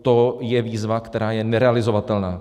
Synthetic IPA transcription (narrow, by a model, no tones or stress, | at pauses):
t̪ojɛviːzvakt̪ɛɾaːjɛnɛɾɛalɪzovat̪ɛlnaː